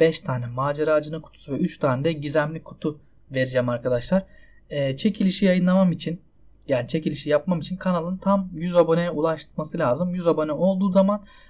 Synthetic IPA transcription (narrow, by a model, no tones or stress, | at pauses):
b̥ɛʃt̪ʰaːnɛmaːd͡ʒaɾaːd͡ʒɯnɯkʰu̥t̪ʰu̥suvɛyt͡ʃt̪ʰaːnɛd̪ɛɟizæmlʲikʰu̥t̪ʰu | ve̞ɾid͡ʒɛmaɾkʰad̪aʃlˠaɾ̥ɛːt͡ʃʰe̞cʰilʲiʃijajɯnlˠamamit͡ʃʰin | jaːnit͡ʃʰe̞cilʲiʃijapmamit͡ʃʰinkʰanalˠɯnt̪ʰamjyzabo̞nɛulˠaʃmasɯlʲaːzɯmjyzabo̞nɛo̞lˠd̪uːzaman